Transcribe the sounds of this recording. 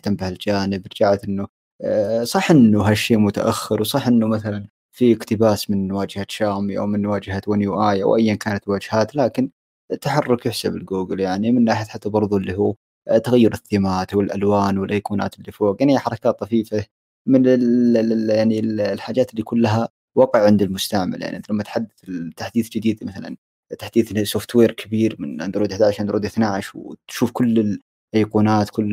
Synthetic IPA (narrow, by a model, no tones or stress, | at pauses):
ɪħt̪ambahɪld͡ʒaːnɪbɾˤd͡ʒaʕat̪ʔɪnːu | sˤɑħʔɪnːuɦaʃːeːmʊt̪a̰ʔaxːɪɾwsˤɑħʔɪnːʊmaθalan | fiɪkt̪ɪbaːsmɪnːwaːd͡ʒɪhaʃaːmiʔa̰wmɪnːwaːd͡ʒɪhawanjuːʔaːja̰wʔajːankaːnat̪wad͡ʒhaːt̪laːkɪn | t̪ːaħɑrˤːʊkjɪħsabɪlɡuːɡɪljaʕnimɪnːaːħɪjat̪ħat̪ːabɑɾˤðˤʊɪlːiɦuː | t̪ːaɣajːʊɾɪθːɪmaːt̪wɪlʔa̰lwaːnwɪlʔajquːna̰ːt̪ɪlːifoːqjaʕnijːaħɑɾˤɑkaːt̪ˤːɑfiːfa | mɪnɪ | jaʕnillħaːd͡ʒaːt̪ɪlːikʊlːaɦa | wɑqəʕʕɪnd̪ɪlmʊst̪aʕma̰lja̰ʕniʔlamːat̪ħad̪ːɪθɪt̪ːaħd̪iːθd͡ʒɪd̪iːd̪maθala̰n | t̪ːḁħd̪iːθsoft̪weːɾkʰabiːɾmɪnʔɪ̰nd̪ɾuːd̪ɪħd̪aːʕʃand̪ɾuːd̪ɪθnaʕɪʃwt̪ʃuːfkʊlːɪl | ʔajquːnaːt̪kʊlː